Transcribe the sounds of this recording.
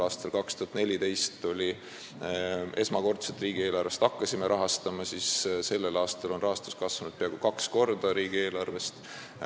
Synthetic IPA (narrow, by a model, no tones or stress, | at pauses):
ɑːst̪ɑlkɑkst̪uhɑt̪ne̞lʲit̪e̞jst̪ːolʲi | e̞smɑko̞rt̪set̪riːɡ̥ie̞ːlɑrve̞st̪ɑkːɑsʲimeɾʔɑɦɑst̪ɑmɑsisse̞lːe̞lɑːst̪elo̞nrɑɦɑst̪u̥skɑsvɑnud̪̥̚peɑɡ̥ukɑksko̞rd̪̥ɑɾiːɡ̥ie̞ːlɑrve̞st̪